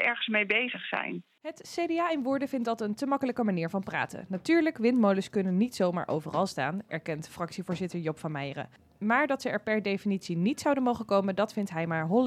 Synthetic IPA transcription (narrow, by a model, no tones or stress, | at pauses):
ɛɹχənsmejbejzəχsɛ̰jn | ɦətsejdeaːɪnʋʊːɹdəvɪnt̚dɑtəntəmɑkələkəmaniːɹvɑnpra̰ːtə̰natyːɹləkʋɪntmowləskɵnənːitsowma̰ːɹʔo̰wvərɑlˠsta̰ːnʔɛ̰ɹkɛntfrɑksivʊːɹzɪtəɹjɔpfɑnmɛjrə̰ | maːɹdɑtsəɛɹpɛɹdejfinitsinitsɑwdənmowχəkowməndɑtfɪntɦɛjmaːɹɦɔl